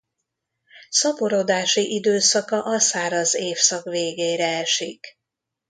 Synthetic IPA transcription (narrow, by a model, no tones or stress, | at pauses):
sɒpoɾod̪aːʃiʔid̪øːsɒkɒʔɒsaːɾɒzeːfsɒkʋeːɡeːɾɛɛʃik